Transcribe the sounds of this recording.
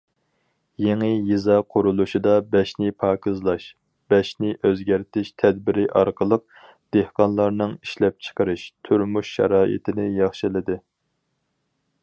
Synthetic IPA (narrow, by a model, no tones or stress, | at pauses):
jeŋɨjizɑqʰʊɾulˠuʃid̪ɑbɛʃnɪpʰɑːkʰɨzlˠɑʃ | b̥ɛʃnɪʔøzɡʲæɾt̪ʰɪʃt̪ʰɛd̪̚bɪɾɪʔɑɾqʰəlˠəq̚ | d̪̥ehqɑnlˠɑɾnɨŋiʃlɛp̚t͡ʃʰə̥qəɾɨʃt̪ʰyɾmuʃːɑ̰ɾɑːʔɪ̰t̪ʰɪnɪjɑχʃɪlɪd̪ɪ